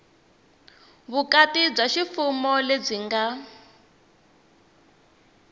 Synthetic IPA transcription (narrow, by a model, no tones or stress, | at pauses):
βukatib͡ʐaʃifumɔleb͡ʐiŋɡa